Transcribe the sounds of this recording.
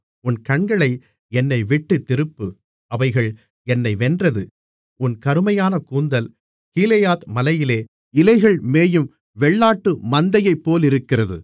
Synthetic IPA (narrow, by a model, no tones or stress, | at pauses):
ʊnkɐɳɡɐɭɐɪ | ɛnːɐɪʋɪʈːɯt̪ːɪɾɯpːɯ | ɐʋɐɪɣɐɭ | ɛnːɐɪʋɛndrɐðɯ | ʊnkɐɾɯmɐjaːnɐkuːnd̪ɐl | kiːlɐjaːt̪mɐlɐjɪleː | ɪlɐɪɣɐɭmeːjɯm | ʋɛɭːaːʈːɯmɐnd̪ɐjɐɪpːoːlɪɾɯkːɪrɐðɯ̰